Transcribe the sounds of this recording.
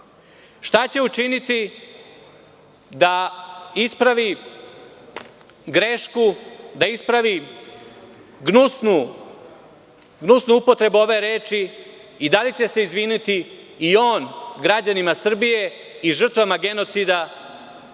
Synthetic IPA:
ʃt̪at͡ɕe̞ut͡ʃinit̪i | d̪aispɾaʋi | ɡɾe̞ʃkud̪aispɾaʋi | ɡnusnu | ɡnusnuupo̞t̪ɾe̞buo̞ʋe̞ɾe̞ːt͡ʃiː | d̪alit͡ɕe̞se̞izʋinit̪i | io̞ːnɡɾad͡ʑanimasr̩bije̞ | iʐr̩t̪ʋamaɡe̞no̞t̪sid̪a

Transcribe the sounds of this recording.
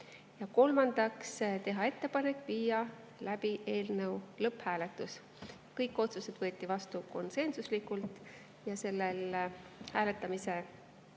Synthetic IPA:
jɑko̞lmɑnd̪̥ɑkst̪e̞ɦɑe̞t̪ːe̞pɑne̞kːˑviːjɑ | læb̥iʔe̞ːlnewlɤphæːle̞t̪ːˑus | kɤjkːˑo̞t̪suse̞d̪̥vɤ̞ːt̪ʲːˑivɑst̪uko̞nse̞nsuslikːult̪ˑ | jɑse̞lːelhæːle̞t̪ːˑɑmise̞

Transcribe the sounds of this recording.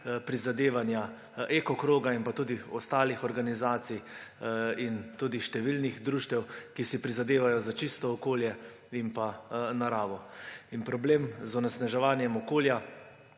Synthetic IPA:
pɾizad̪eːʋanja | ekɔkɾoːɡaimpat̪uːd̪iɔst̪aːlixɔɾɡanizaːt̪sij | int̪uːd̪iʃt̪ɛʋilnixd̪ɾuʃt̪ɛwkisipɾizad̪eːʋajɔzat͡ʃist̪ɔːkoːljɛ | impanaɾaːʋɔinpɾɔbleːmzɔnɛsnaʒɛʋaːnjɛmɔkoːlja

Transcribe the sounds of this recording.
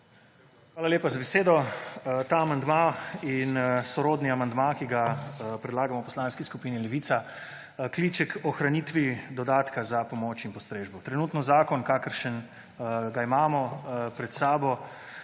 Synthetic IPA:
xʋaːlaleːpazabɛseːd̪ɔt̪aːmand̪mainsɔɾoːd̪niamand̪makiɡapɾɛd̪laːɡamɔwpɔslaːnskiskupiːnilɛʋiːt̪sa | kliːt͡ʃɛkɔxɾaniːt̪ʋid̪ɔd̪aːt̪kazapɔmoːt͡ʃinpɔst̪ɾeːʒbɔt̪ɾɛnuːt̪nɔzaːkɔnkaːkəɾʃən | ɡaimaːmɔpɾɛt̪saːbɔ

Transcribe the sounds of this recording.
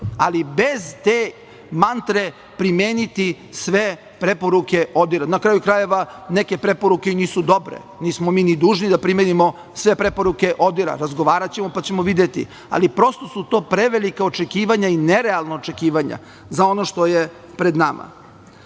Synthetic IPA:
alibezt̪e | mant̪ɾe̞ | pɾimeːnit̪i | sʋe | pɾe̞poɾuke̞ʔod̪iɾanakɾaːjukɾaje̞ʋaneke̞pɾe̞poɾuke̞iniːsud̪o̞bɾḛ | niːsmo̞miːnid̪uːʒnid̪apɾimenimo̞ | sʋe̞pɾe̞poɾuke̞ʔo̞d̪iɾa̰ɾazɡoʋaːɾat͡ɕemo̞pat͡ɕemoʋid̪jet̪ḭ | a̰lipɾo̞st̪o̞sut̪oːpɾeʋelikaot͡ʃekiːʋaɲaineɾealˠnaːt͡ʃe̞kiːʋaɲa̰ | zao̞no̞ʃt̪o̞je | pɾed̪nama̰

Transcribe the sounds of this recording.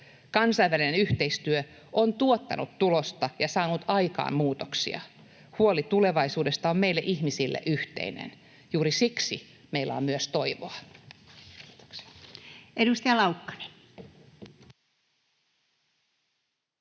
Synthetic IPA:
kɑnsɑiʋælinenyht̪eist̪yø | ʔont̪uot̪ːɑ̰nʔut̪t̪ulost̪ɑjɑsɑːnut̪ɑikɑ̰ːmmuːt̪oksḭɑ̰ | huolit̪ule̞ʋɑisuːdest̪ɑommeilːeʔihmisilːḛʔyht̪ḛinḛn | juːɾisiksi | meilːæ̰ommyøst̪oiʋo̰ɑ | edust̪ɑjɑlɑukːɑ̥ni̥

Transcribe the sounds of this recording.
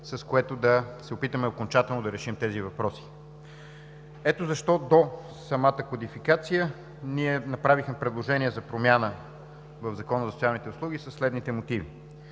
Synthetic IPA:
sɐskoɛt̪od̪ɐsɛopit̪əmɛokont͡ʃat̪ɛlˠnod̪ɐɾɛʃimt̪ɛzivɐpɾɔsi̥ | ɛt̪ozɐʃt̪ɔd̪o | sɐmat̪əkod̪ifikat̪sijə | niɛnɐpɾavixmɛpɾɛd̪lˠoʒɛniɛzɐpɾomʲjanə | vəvzɐkɔnəzɐsot̪ialˠnit̪ɛʊslˠuɡ̟isəsːlɛd̪nit̪ɛmot̪ivi

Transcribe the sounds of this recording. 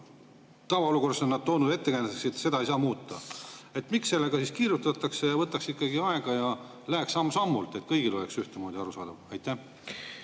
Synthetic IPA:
t̪ɑvɑoluko̞rso̞nːɑd̪̥̚t̪o̞ːnud̪e̞t̪ːekæjneteksit̪se̞d̪ɑejsɑːmuːt̪ːˑɑ̰e̞t̪miksːe̞lːe̞ɡ̥ɑsiskiːɾjut̪ɑt̪ːˑɑksejɑvɤt̪ːˑɑksikːˑɑɡiɑe̞ɡ̥ɑjɑ | læeksɑmːɑsɑmːult̪ˑe̞t̪kɤjɡ̥ilo̞leksyht̪emo̞ːd̪̥ʲiɑɾusɑ̰ːd̪̥ɑvɑjt̪ːˑæh

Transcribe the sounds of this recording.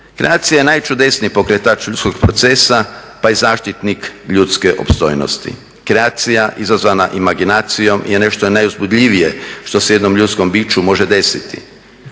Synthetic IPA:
kɾḛaːt̪sijaje̞najt͡ʃud̪e̞sniipo̞kɾet̪at͡ʃʎut̪sko̞ɡpɾo̞t̪se̞sapaizaːʃt̪it̪nikʎut̪skeʔo̰pst̪o̞̰jno̰st̪ḭ | kɾeaːt̪sijaʔizazʋanaʔimaɡinaːt̪sijo̞mje̞ne̞ʃt̪onajuzbud̪ʎʲiʋije̞ʃt̪o̞seje̞d̪no̞mʎut̪sko̞mbiːt͡ʃumo̞ʒed̪e̞sit̪ḭ

